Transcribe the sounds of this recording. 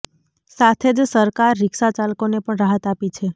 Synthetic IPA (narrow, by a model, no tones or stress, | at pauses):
sat̪ʰed͡ʒsəɾkaɾːɪkʃat͡ʃalkonepəɳɾaɦət̪apit͡ʃʰe